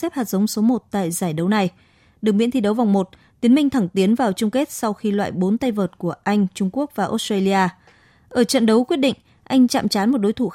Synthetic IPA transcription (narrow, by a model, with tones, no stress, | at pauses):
ɛ˦˥p̚haː˨˩t̚zə˨˦wŋ͡mso˨˦mo˨˩t̚t̪a̰ː˧˨jzaː˧˩jɗə˨˦wna˨˩j | ɗɨ˨˩ŋmɓḭ˧˥nt̪ʰi˧ɗə˨˦wva˨˩wŋ͡mmo˨˩t̚t̪i˨˦əmï˧ŋ̟t̪ʰa˧˩ŋt̪i˨˦ənvaː˨˩wt͡ɕʊ˧ŋ͡mke˦˥t̚sa˧wxi˧lwa̰ː˧˨jɓo˨˦nt̪a˧jvəː˨˩t̚ku˧˩əʔa˧jŋ̟t͡ɕʊ˧ŋ͡mku˦˥ək̚vaː˨˩ʔo˨˦˥stəː˧li˧aː˧ | ʔəː˧˩t͡ɕə̰˧˨nɗə˨˦wkwi˦˥ət̚ɗḭ˧˨ŋ̟ | ʔa˧jŋ̟t͡ɕa̰ː˧˨mt͡ɕaː˨˦nmo˨˩t̚ɗo˨˦jt̪ʰu˧˩